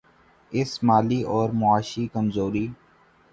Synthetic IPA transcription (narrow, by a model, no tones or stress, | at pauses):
ɪsmaːliʔɔːɾmʊaːʃikəmzoːɾiː